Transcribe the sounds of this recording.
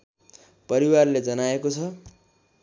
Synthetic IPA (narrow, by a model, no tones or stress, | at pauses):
pʌɾiwarled͡zʌnaekot͡sʰʌ